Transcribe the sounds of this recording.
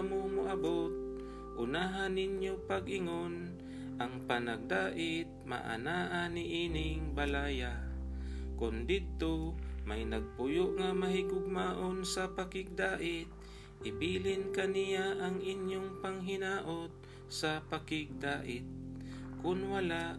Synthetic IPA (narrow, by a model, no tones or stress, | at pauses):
momʊʔabot̪̚ | ʔʊnaːɦanːɪnjopaɡɪŋon | ʔaŋpanaɡ̚d̪aːʔɪt̪̚ma̰ʔa̰naːʔanɪʔiːnɪŋbalaːja | kʊnd̪ɪd̪̚t̪omajnɐɡ̚pʊjoʔŋamaɦɪɡʊɡ̚maːʔonsɐpakɪɡ̚d̪aːʔɪt̪̚ | ʔɪbiːlɪnkanijaʔaŋʔɪnjoŋpaŋɦɪnaːʔot̪̚ | sɐpakɪɡ̚d̪aːʔɪt̪̚kʊnwalaʔ